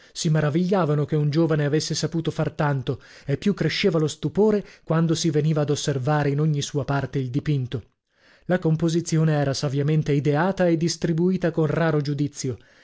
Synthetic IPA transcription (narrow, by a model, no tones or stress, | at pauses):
simeɾaviʎːaːvanokeund͡ʒoːvaneavesːesapuːt̪ofart̪ant̪o | epːjukːɾeʃːeːvalost̪upoːɾekwand̪osiveniːvaːd̪osːervaːɾeinoɲːisuːapart̪eild̪ipint̪o | lakompozit̪sːjoːneɛːɾasavjament̪eid̪eaːt̪aed̪ːist̪ɾibuiːt̪akonraːɾod͡ʒud̪it̪sːjo